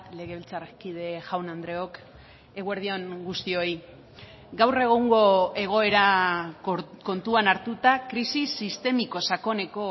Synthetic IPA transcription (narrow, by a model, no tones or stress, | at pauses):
le̞ɣe̞βilt͡sarekiðe̞ʝawnand̪ɾe̞o̞k | e̞ɣwe̞ɾð̞io̞ŋɡust̪io̞j | ɡawre̞ɣ̞uŋɡo̞e̞ɣ̞o̞e̞ɾa | ko̞nt̪uanaɾt̪ut̪akɾisisist̪e̞miko̞sako̞ne̞ko̞